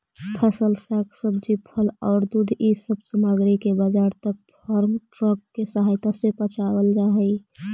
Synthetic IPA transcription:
pʰəsəlsaksəb̚d͡ʒipʰəlɔ̰ʊɾd̪ud̪ʱisəbsəməɡɾikebad͡ʒaɾt̪ək̚pʰəɾmʈɾəkːesəɦajt̪asepət͡ʃʰabəld͡ʒaɦəj

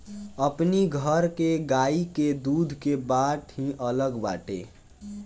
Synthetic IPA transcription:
əpniɡʱəɾkeɡaiked̪ud̪ʱkebaʈɦĩʔələɡba̰ʈḛ

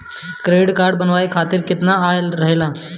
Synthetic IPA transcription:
kɾeɽkaɾɖbənʋaikʰat̪iːɾkit̪naːjlɾəɦela

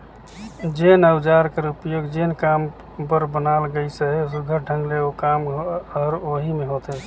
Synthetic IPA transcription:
d͡ʒenəwd͡ʒaɾkəɾupjoɡd͡ʒenkam | pəɾbənalɡəɪsəɦesɡʱəɖʱə̃ŋɡleokamɾoɦimeɦot̪e

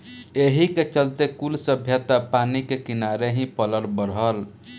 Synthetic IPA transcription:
eɦiket͡ʃəlt̪ekulsəbʱjət̪əpanikekinaɾeɦĩpələɾbəɾɦəl

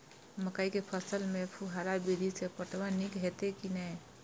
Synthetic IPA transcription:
məkaikepʰəsəlmepʰuɦaɾabid̪ʱisepəʈʋanikɦet̪ekinə

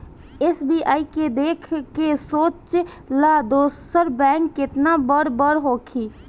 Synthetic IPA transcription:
esbiːʔaːiked̪eːkʰkesoːt͡ʃ | laːd̪oːsəɾbɛ̃ːŋkːɪt̪nabəɾbəɾɦoːkʰiː

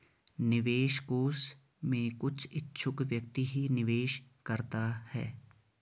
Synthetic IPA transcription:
nɪʋeːʃkoːs | mẽkʊt͡ʃʰɪtːʃʰʊkʋjɐk̚t̪iɦinɪʋeːʃ | kɐɾt̪ahɛ̰ː

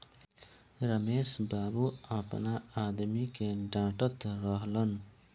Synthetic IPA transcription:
ɾəmesbabuəpnaad̪mikeɖãʈət̪ɾəɦlən

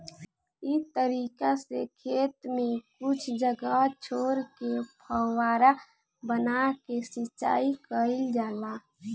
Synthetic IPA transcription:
it̪əɾiːkasekʰeːt̪mẽkʊt͡ʃʰd͡ʒəɡat͡ʃʰoːɾkepʰəwaːɾa | bənakesɪt͡ʃa̰ːikəɪld͡ʒaːla

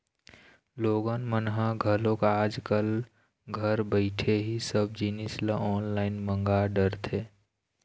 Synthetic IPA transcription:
loːɡənmənɦaɡʱəlokaːd͡ʒkəl | ɡʱəɾbəɪʈʰeɦisəb̚d͡ʒinisləʔɔːnlaːɪnmə̃ŋɡaɖəɾt̪ʰe

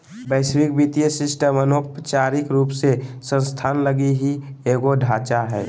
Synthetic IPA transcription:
bəɪswikbit̪ijəsɪsʈəmənopət͡ʃaɾɪkɾuːpsesə̃nst̪ʰaːnləɡiɦieɡoɖʱaːt͡ʃaɦɛ̰ː

